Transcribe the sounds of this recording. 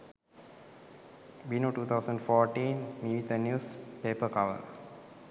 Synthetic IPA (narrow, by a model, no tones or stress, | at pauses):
binoːʈuːt̪ʰaʊsə̃ɳɖfɔːʈĩːnːiʋit̪ənjuːspeːpəkaʋə̰